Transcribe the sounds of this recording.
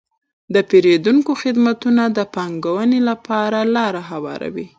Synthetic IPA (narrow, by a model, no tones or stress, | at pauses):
d̪əpeɾed̪uŋkoxɪd̪mat̪unad̪əpɑŋɡawənelapɑɾalɑɾaɦawɑ̰ɾa̰wi